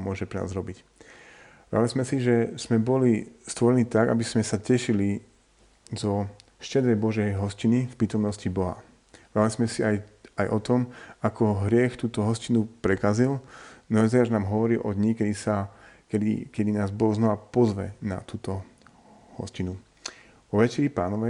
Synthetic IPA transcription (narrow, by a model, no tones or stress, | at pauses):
mʊɔʒɛpɾɛna̰ːzɾɔbic | ʋa̰d̪alizmɛsiʒɛz̥mɛbɔlist̪ʋɔɾɛniːt̪aɡa̰bizmɛsacɛʃili | zɔ | ʃcɛd̪ɾɛjbɔʒɛjɦɔscinifpɾiːt̪ɔmnɔscibɔɦa̰ | ʋɛd̪alizmɛsiajajʔɔt̪ɔmakɔɦɾɪɛxt̪uːt̪ɔɦɔscinupɾɛkazilnɔɛzɛjaːʒnaːmɦɔʋɔɾilʔɔd̪ɲikɛd̪isakɛd̪ḭkɛd̪inaːzbɔɣznɔʋapɔzʋɛ̰na̰t̪uːt̪ɔ | hɔ̰scinu | ʋɔʋɛt͡ʃɛɾipaːnɔʋɛ